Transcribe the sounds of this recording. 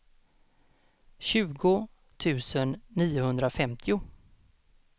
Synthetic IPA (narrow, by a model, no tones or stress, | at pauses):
ɕʉ̟ːɡʊ | t̪ʰʉ̟ːsənːiːʊhɵnd̪ɾafɛmt̪ʰɪʊ